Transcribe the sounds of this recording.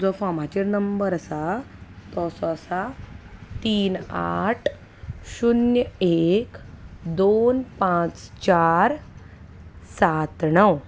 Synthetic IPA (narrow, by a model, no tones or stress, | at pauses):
d͡zɔfamat͡ɕeɾnəmbəɾəsat̪ɔsɔsa | t̪iːna̰ʈʰ | ɕunjəekd̪onpãt͡st͡ɕaɾ | sat̪ɳəw